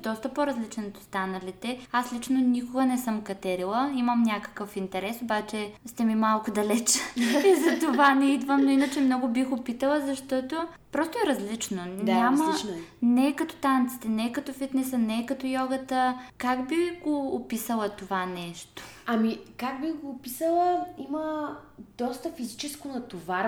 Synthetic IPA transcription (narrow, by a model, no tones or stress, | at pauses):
d̪ɔst̪əpoɾɐzlit͡ʃɛnot̪o̥st̪anɐlit̪ɛaslit͡ʃnonʲikʊɡənɛsɤmkɐt̪ɛɾilˠəimɐmnʲakə̥kəfint̪ɛɾɛsobat͡ʃɛst̪ɛmimalˠkʊd̪ɐlɛt͡ʃizɐt̪ovanɛid̪vəmnoinət͡ʃɛmnɔɡʊbixɡopit̪əlˠəzɐʃt̪ɔt̪opɾɔst̪oɛɾɐzlit͡ʃnod̪namɐinnɛːkɐt̪o̥t̪ant̪si̥t̪ɛnɛːkɐt̪ɔfit̪nɛsənɛːkɐt̪ojɔɡət̪əkaɡbiɡoːpisəlˠət̪ovanɛʃt̪o̥ɐmikak̚bixɡoːpisəlˠəiməd̪̥ɔst̪əfizit͡ʃɛskonɐt̪ovaɾ